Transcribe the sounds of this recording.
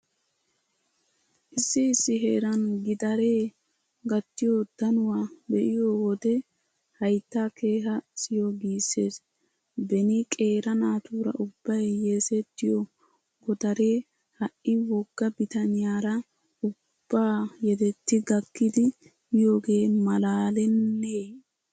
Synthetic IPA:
ʔɪsːɪːsːɪɦe̞ːɾɐnɡɪd̪ɐɾe̞ː | ɡɐt̪ːɪjod̪̥ɐnʊwaːbɛʔɪjowɔd̪ɛ | hɐjt̪ːake̞ːɦɐsɪjoɡiːsːe̞ːs | bɛnɪkʼe̞ːɾɐnaːt̪uːɾɐ̰ʔʊbːɐjːesɛt̪ːɪjɔ | ɡɔd̪ɐɾe̞ː | hɐʔʔɪwɔɡːɐbɪt̪ɐnɪjaːɾɐ | ʊ | b̥ːaːjɛd̪ɛt̪ːɪɡɐkːɪd̪ɪ | jo̞ːɡe̞ːmɐlaːlɛnːeː

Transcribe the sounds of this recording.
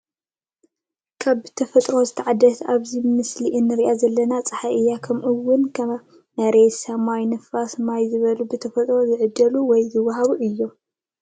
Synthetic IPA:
kʰaβbɨt̪ʰɐfɐt̪ʼɾo̞zɨt̪ʰɐʕad̪ɐt̪aβzimɨsliʔɨnːɨɾiʔazɐlːɐnat͡sʼɐħaʔɨjːakʰɐmʔɨwːʊnkʰɐ | nɐɾesamajnɨfasmajzɨβɐlubɨt̪ʰɐfɐt̪ʼɾo̞zɨʕɨd̪ːɐluwɔjzɨwːɐɦaβuʔɨjːo

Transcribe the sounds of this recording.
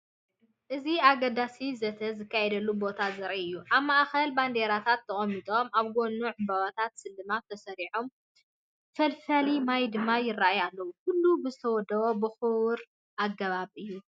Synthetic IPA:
ʔɨziaɡɐd̪asizɐt̪ʰɐzɨkʰːajɛd̪ɐlːubo̞t̪ʰazɨɾʔiɨjːuʔaβmaʔxɐlband̪e̞ɾat̪ʰat̪ʰːɐχʼɐmːit̪ʼo̞maβɡonːuʕʊmbaβat̪ʰat̪sɨlːɨmat̪ʰːɐsɐɾiħom | fɐlfɐlimajd̪ɨmːajɪrːaʔajalːɐwukʊlːubɨzɨt̪ʰɐwɔd̪ɐβobɨxɨwɾ | ʔaɡːɐβaβɨjːu

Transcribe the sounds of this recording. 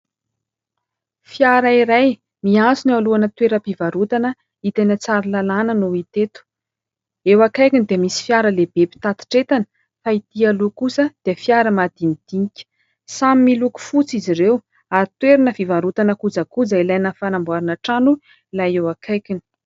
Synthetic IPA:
fjaɾaiɾaj | miat͡sinaluanət̪weɾəpivaɾut̪anə | it̪enət͡saɾilalanənuit̪et̪u̥ | ewakajkinid̪eəmisi̥fjaɾəleb̥epi̥t̪at̪i̥ʈ͡ʂet̪anə̥ | faid̪ialukusəd̪̥eəfjaɾəmad̪̥imid̪̥iŋikʲə̥ | samimiluku̥fut͡siziɾew | aɾit̪weɾinəvivaɾut̪anəkud͡zakud͡zailajnəfanambuaɾanəʈ͡ʂanu | lajewakʰajkini̥

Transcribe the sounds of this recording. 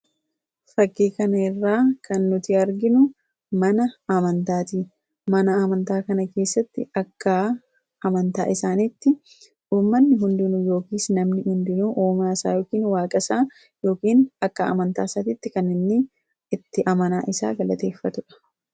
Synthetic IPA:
fɐkːiːkɐnɐɪrːaːkʰɐnːʊt̪ɪɐɾɡɪnʊ | mɐnɐɐmɐnt̪aːt̪iː | mɐnɐɐmɐnt̪aːkɐnɐke̞ːsːɐt̪ːɪɐkːa | ɐmɐnt̪a̰ːʔɪsaːnit̪ːɪ | uːmːɐnːɪɦʊnd̪ɪnujo̞ːkiːsnɐmnɪhʊnd̪ɪnuːʔoːmaːsa̰ːjo̞ːkiːnwaːkʼɐsaː | jo̞ːkiːnɐkːɐɐ̰mɐnt̪a̰ːsɐt̪ɪt̪ːɪkɐnːɪnːɪ | ɪt̪ːɪʔɐmɐnaːʔɪsa̰ːɡɐlɐt̪e̞ːfːɐt̪ʊᶑɐ̥

